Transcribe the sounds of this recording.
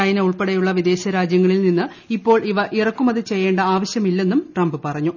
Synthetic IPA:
ɐjɐneuɭpeɽɐjuɭːɐʋid̪e̞ːɕɐɾaːd͡ʑjɐŋːɐɭilninːɨ | ipːo̞ːɭʔiʋɐʔirɐkːumɐðɨt͡ɕe̞jːe̞ːɳɖɐaːʋɐɕjɐmilːe̞nːumʈrɐmbɨpɐrɐɲːu

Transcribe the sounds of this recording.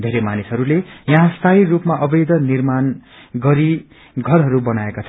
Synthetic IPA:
d̪ʱeɾemanisɦʌɾulejʌ̃ɦãst̪ʰairupmaʔʌbʌjd̪ʌnirman | ɡʌɾi | ɡʱʌrɦʌɾubʌnaekot͡sʰʌ

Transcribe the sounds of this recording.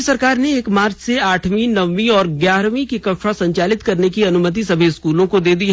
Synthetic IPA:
sɐɾkaːɾneːkmaːɾd͡ʒseaːʈʰmĩnɐʋːĩɔːɾɡjaːɾʋĩkikɐʃɾasɐ̃ɲt͡ʃaːlɪt̪kɐɾnekiɐnʊmət̪̬isɐbʱiɪskuːlõkod̪eːd̪iɦ

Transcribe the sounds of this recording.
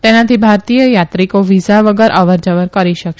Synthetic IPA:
t̪enat̪ʰibʱaɾt̪ijəjat̪ɾikoʋizaʋəɡəɾʔəʋəɾd͡ʒəʋəɾkəɾiʃəkʃ

